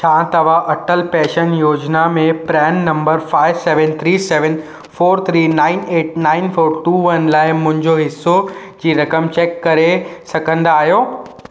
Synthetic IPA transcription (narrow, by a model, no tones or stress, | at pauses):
t͡ɕʰãːt̪ɐʋ̤aʔɐʈəlpɛːʃənjoːd͡ʑnamẽpɾɛːnːɐ̃mbəɾfaːɪʋsɛːʋə̃nt̪ʰɾiːsɛːʋə̃n | foːɾt̪ʰɾiːnãːɪneːʈ̚naːɪnfoːɾʈuːʋɐnlaːɪmʊ̃ɦɪ̃ɲd͡ʑoɦɪsːod͡ʑiːɾɐkəmt͡ɕɛːkːɐɾesɐkʰə̃nd̪aːɦijoː